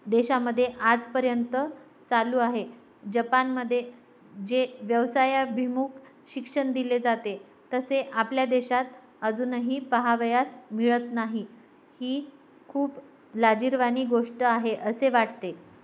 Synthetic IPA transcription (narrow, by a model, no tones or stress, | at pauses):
d̪eɕaməd̪ʱːjeʔad͡zpəɾjənt̪ə | t͡saluːaɦe | d͡ʑəpanməd̪ʱːje | d͡ʑeʋjəʋsajabʱimuːkʰ | ɕikʂəɳd̪iled͡zat̪e | t̪əseʔapljad̪eɕat̪̚ | əd͡zuːnəɦiːpəɦaʋəjasmiɭət̪naɦi | hiː | kʰuːp | lad͡ʑiɾʋaniːɡoʂʈəaɦeʔəseʋaʈt̪e